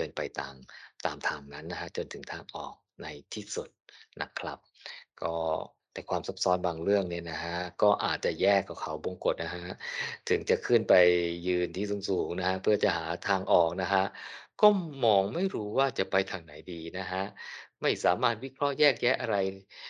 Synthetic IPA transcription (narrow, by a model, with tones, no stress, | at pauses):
kɤː˧npa˧jt̪a̰ː˧mt̪aː˧mt̪ʰaː˧mna˦˥nːa˦˥kʰa˦˥t͡ɕo˧nt̪ʰɯ˩˦ŋt̪ʰaː˧ŋʔɔ̰ː˨˩k̚na˧jt̪ʰiː˥˩su˨˩t̪̚nʔa̰˦˥kʰla˦˥p̚kɔː˥˩ | t̪ɛː˨˩kʰwaː˧msa˦˥p̚sɔː˦˥nbaː˧ŋɾɯ˥˩əŋni˥˩ɐna˦˥kʰa˦˥kɔː˥˩ʔaː˨˩t̪̚t͡ɕa˨˩jɛː˥˩kːa˨˩kʰa˩˦wbo˧ŋko˨˩t̪̚na˦˥kʰa˦˥ʔt̪ʰɯ˨˩˦ŋt͡ɕa˨˩kʰɯ˥˩npa˧jːɯː˧nt̪ʰiː˧˥˩su˨˧˦ŋsuː˨˩ŋna˦˥kʰa˦˥pʰɯ˥˩ɐt͡ɕa˨˩haː˩˦t̪ʰaː˧ŋʔɔː˨˩k̚na˦˥kʰa˦˥ʔkɔː˥˩mɔː˧ŋma˥˩jɾuː˦˥waː˥˩t͡ɕa˨˩ʔpa˧jt̪ʰaː˧ŋna˩˦jdiː˧na˦˥kʰa˦˥ʔma˥˩jsaː˩˦maː˥˩t̪̚wi˦˥kʰɾɔ˦˥ʔjɛː˥˩k̚jɛː˦˥ʔa˧ɾa˧j